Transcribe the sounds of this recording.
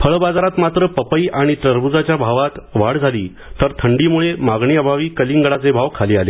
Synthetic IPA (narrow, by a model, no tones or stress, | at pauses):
fəɭbad͡zaɾat̪mat̪ɾəpəpəiʔaɽ̃it̪ɾəɾbud͡zat͡ɕjabʱaʋat̪ʋaɽd͡zʱaliː | t̪əɾt̪ʰəɳɖiːmuɭemaɡɳiəbʱaʋiːkəliːŋɡəɽat͡sebʱaʋkʰaliːale